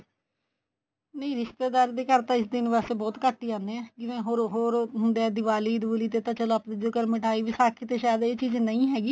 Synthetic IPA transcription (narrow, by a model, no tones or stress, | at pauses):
nəĩːɾɪʃt̪eːd̪aːɾd̪eːkəɾt̪ãːɪsd̪ɪnʋaːseːbɔːt̪kəʈːiːãːnd̪eɛ̃ːkɪʋẽːɦoːɾɦoːɾɦʊnd̪eːɛːd̪ɪʋaːliːd̪bʊliːt̪eːt̪ãːt͡ʃəloːapd̪ɪd͡ʒoːkəɾmɪʈʰaːiːʋisaːkʰɪt̪eːʃaːjd̪eːt͡ʃiːznəĩːɦɛːɡiː